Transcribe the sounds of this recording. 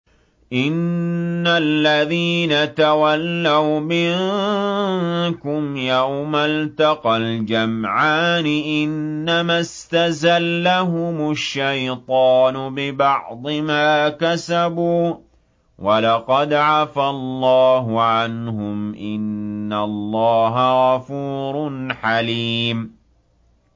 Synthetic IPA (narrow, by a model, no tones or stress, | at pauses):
ʔɪnːalːaðiːnat̪awalːawmɪ | kʊmjawmalt̪ɑqɑld͡ʒamʕaːnɪʔɪnːamast̪azalːaɦʊmʊʃːajt̪ˤɑːnʊbɪbɑʕd̪ˤɨmaːkasabuː | wʔalɑqɑd̪ʕafalˤːɑːɦʊʕanɦʊmʔɪnːalːɑːɦaɣɑfuːɾˤnħaliːm